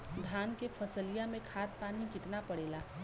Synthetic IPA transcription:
d̪ʱaːnkepʰɐsəlijamẽkʰaːt̪̚paːnid͡ʒɪt̪napɐɽeːlaː

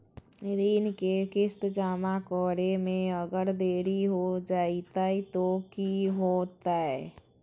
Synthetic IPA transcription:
ɾiːnkekɪst̪d͡ʒaːmakɔːɾemẽəɡəɾd̪eːɾiɦod͡ʒaːit̪ait̪okiɦoːt̪aɦɛ

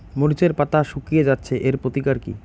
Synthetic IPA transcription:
moɾit͡ɕeɾpat̪aʃukijed͡ʑatːɕʰeʔeɾpɾot̪ikaɾkḭ

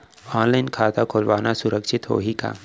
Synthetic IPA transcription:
ɔːnlaɪnkʰaːt̪akʰoːlʋaːnasʊɾəkʃɪt̪ɦo̰ːɦika̰ː

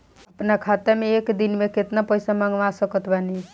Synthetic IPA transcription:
əpnakʰat̪emeekd̪inmeket̪napəjsaməŋɡʋasəkət̪ʰbani

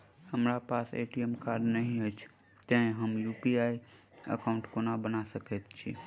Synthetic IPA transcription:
həmɾapasḛʈiɛmkaɾɖnəɦĩət͡ʃʰ | t̪ə̃ɦəmjupiaiə̰kaʊ̃ɳʈkonabənasəkɛt̪t͡ʃʰḭ

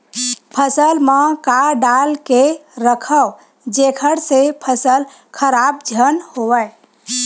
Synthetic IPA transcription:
pʰəsəlməkaɖalkeɾəkʰəw | d͡ʒekʰəɾsepʰəsəl | kʰəɾab̚d͡ʒʱənhowəj

